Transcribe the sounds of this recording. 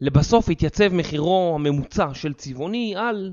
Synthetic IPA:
lebaso̞fhit̪jat͡se̞vme̞χiʁo̞hame̞mut͡saʃe̞lt͡sivo̞nial

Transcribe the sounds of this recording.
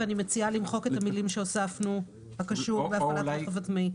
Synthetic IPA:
animet͡sialimχo̞ke̞t̪hamilimʃeosafnu | hakaʃuʁveafalaavatmi

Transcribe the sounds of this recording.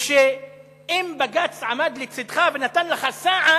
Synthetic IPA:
ʃe | imbaɡat͡sʕamad̪lit͡sid̪χavenat̪anlaχasaʕa

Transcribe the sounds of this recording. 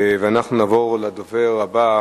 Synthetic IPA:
veanaχnunavoʁlad̪oveʁaba

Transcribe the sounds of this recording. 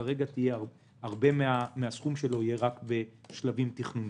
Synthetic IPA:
aʁe̞ɡat̪ijea | aʁbe̞meameasχumʃe̞lo̞ije̞ʁakbe̞ʃlavimt̪iχnun

